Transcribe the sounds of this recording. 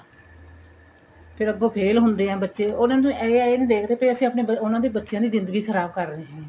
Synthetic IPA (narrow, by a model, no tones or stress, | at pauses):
pʰɪɾəɡoːpʰeːlɦʊnd̪eːɦɛ̃ːbətːʃeːoːnãːnt̪ʊ̃ːʔɛeaːeːnĩːd̪eːkʰt̪eːpəiəsĩːapneːəʊnãːd̪iːbətːʃjãːd̪iːzɪnd̪əɡiːkʰəɾaːb̚kəɾːəeːɦɛ̃ː